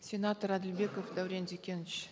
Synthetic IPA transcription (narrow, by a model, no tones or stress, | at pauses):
sʲe̞nat̪oɾæd̪ɪlbe̞kofd̪æwɾʲend̪ekʲenɪt͡ʃ